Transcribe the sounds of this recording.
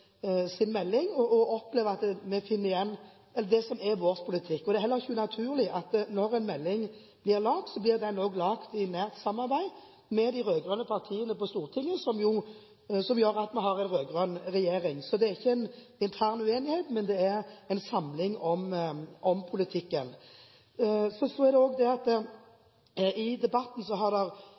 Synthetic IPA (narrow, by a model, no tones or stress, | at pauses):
sɪnmɛlːɪŋɔɔɔpleːʋəɑt̪mɛfɪnːəɾɪjɛnː | ɛlːd̪ɛsɔmɛʋoːɾspʰʊlɪt̪ʰɪkːɔd̪ɛæɾhɛlːəɾʁɪçːəʉnɑt̪ʰʉːʁlɪʔɑt̪nɔɾɛnmɛlːɪŋ | b̥lɪʁlɑːk̚t̪sɔblɪʁd̪ɛnːoːɡlɑːkt̪ɪnæːʁt̪sɑmːɑʁbæɪ | mɛd̪ɪɾøːɡʁœnəpʰɑʁt̪ʰiːənəpɔst̪uːʁt̪ʰɪŋːəsɔmjʊ | sɔmjøːɾɑt̪mɛɦɑʁɛɪnʁøːɡʁœnʁɛjeːʁɪŋsɔd̪ɛæʁɪçːəɛn | ɪnt̪ʰæːʁnʉeːnɪheːt̪mɛnd̪ɛæɾɛɪnsɑmlɪŋɔmʔɔmpʰʊlɪt̪ʰɪkːən | sɔsɔæʁd̪ɛoːɡd̪ɛɑt̪ə | ɪd̪ɛbɑt̪n̩sɔɦɑʁd̪ɛʁ